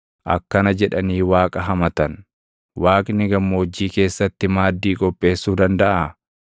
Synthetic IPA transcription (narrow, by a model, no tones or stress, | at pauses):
ʔɐ̰kːɐnɐd͡ʒɛᶑɐniːwaːkʼɐɦɐmɐt̪ɐn | waːkʼɪnɪɡɐmːoːd͡ʒːiːke̞ːsːɐt̪ːɪmaːd̪ːiːkʼɔpʼːe̞ːsːuːd̪ɐnd̪ɐʔa